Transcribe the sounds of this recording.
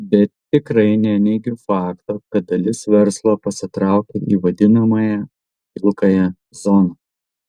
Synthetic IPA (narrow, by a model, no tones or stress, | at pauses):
bʲɛt̪ːʲɪkɾɐɪnʲɛnʲɛɪɡʲʊfɑːkt̪oːkɐt̪̚d̪ɐlʲɪsʋʲɛɾslˠoːpɐsʲɪt̪ɾɑˑʊkʲɛʔiːʋɐd̪ʲɪnɐmɐjɛ | ɪlˠkɐjɛ | zɔnɐ